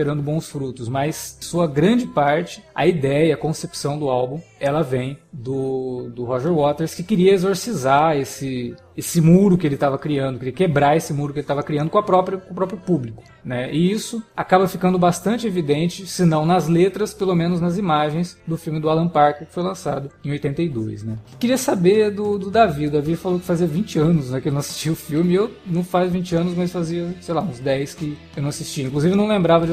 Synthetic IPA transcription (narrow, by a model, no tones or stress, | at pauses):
eɾɐ̃nd̪ʊbõw̃sfɾut̪ʊsmɐssuɐɡɾɐ̃d͡ʒɪpaɾt͡ʃɪ̥ɐ̰id̪ɛjɐiɐkõsepsɐ̃w̃d̪ʊawbũɛlɐvẽj̃d̪ʊd̪ʊhoʒeɾwɔt̪eɾskɪkɪɾiɐezoɾsizaesɪ | esɪmuɾʊkɪelɪt̪avɐkɾiɐ̃nd̪ʊkɪɾiɐkebɾaesɪmuɾʊkɪelɪt̪avɐkɾiɐ̃nd̪ʊkõɐpɾɔpɾʊkõpɾɔpɾjʊpublikʊ̥ | nɛɪisʊakabɐfikɐ̃nd̪ʊbast̪ɐ̃nt͡ʃɪevid̪ẽnt͡ʃɪsɪnɐ̃w̃nɐzlet̪ɾɐspelomẽnʊznɐzimaʒẽj̃sd̪ʊfiwmɪd̪ʊalɐ̃paɾkɪkɪ̥fojlɐ̃sad̪ʊẽojt̪ẽnt̪ejd̪ojsnɛkɪɾiɐsabed̪ʊd̪ʊd̪aviʊd̪avifalokɪ̥faziɐvĩt͡ʃɪɐ̃nʊsnɛkɪlnɐ̃w̃asi̥st͡ʃiʊfiwmɪewnɐ̃w̃fazvĩt͡ʃɪɐ̃nʊs̬mɐsfaziɐsejlaũzd̪ɛjskɪ | ewnɐ̃w̃asist͡ʃiɐĩkluzivɪonɐ̃w̃lẽmbɾavɐd͡ʒ